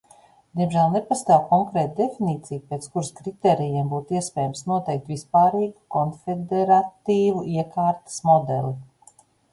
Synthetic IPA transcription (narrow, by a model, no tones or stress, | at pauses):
d̪̥ʲiɛmʒæːlˠnepast̪aːwkɔŋkɾeːt̪d̪efiniːt̪sijupet̪skuɾskɾit̪eːɾijɛmbuːt̪iɛspɛːjəmsnuɔt̪ɛjk̚t̪vispaːɾiːɡu̥kɔnfed̪ɛɾat̪iːvuiɛkaːɾt̪ɐ̥smɔd̪ɛlʲˠi